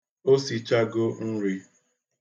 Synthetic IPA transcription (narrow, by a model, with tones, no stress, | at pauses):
o˦si˨t͡ʃa˦ɡo˦n̩˦ɾi˦